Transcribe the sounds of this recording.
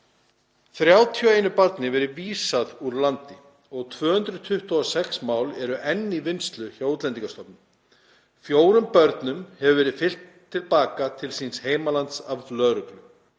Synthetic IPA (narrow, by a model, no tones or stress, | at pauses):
θɾjaːwt̪ʰjɔeːjnʏpaɾt̪nɪvɛːɾɪviːsaðuɾlant̪ɪ | ɔɣt̪ʰvœːhʏnt̪ɾʏt̪ʰʏht̪uɔsɛksmaːwlɛɾʏʔɛnːivɪnst̪lʏçoːwt̪lɛnt̪iŋkast̪ɔpnʏm | fjoːwɾʏmpœɾt̪nʏmhɛvʏvɛːɾɪðfɪl̥t̪ʰːɪlpaːkat̪ʰɪlsinsheːjmalant̪savflœːɾʏklʏ